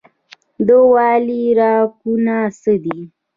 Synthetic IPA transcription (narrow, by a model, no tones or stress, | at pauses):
d̪əwɑːliɾɑkunasəd̪i